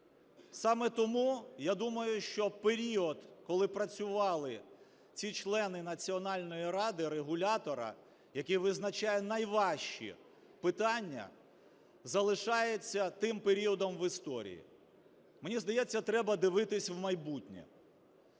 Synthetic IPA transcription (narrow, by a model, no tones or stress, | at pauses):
sɑmɛt̪ɔmujad̪umɐjʊʃt͡ʃɔpeɾʲiɔd̪kɔlˠɪpɾɐt͡sʲʊʋɑlˠɪ | t͡sʲit͡ʃlˠɛnɪnɐt͡sʲiɔnɑlʲnɔjiɾɑd̪ɪɾeɦʊlʲat̪ɔɾɐ̰ | jɐkʲiʋɪznɐt͡ʃajɛnɐjʋɑʃt͡ʃḭ | pɪt̪ɑnʲːɐ̰ | zɐlˠɪʃɑjet͡sʲːɐt̪ɪmpeɾʲiɔd̪ɔmʋɪst̪ɔ̰ɾʲḭjḭ | menʲizd̪ɐjɛt͡sʲːɐt̪ɾɛbɐd̪ɪʋɪt̪ɪsʲwmɐjbutʲnʲḭ